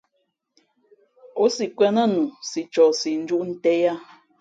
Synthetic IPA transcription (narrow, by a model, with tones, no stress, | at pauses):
o˨˦si˨kwɛ˦nə˦nu˨si˨t͡ʃɔ˨si˨n̩˦d͡ʒu˦ʔn̩˦tɛ˦ja˦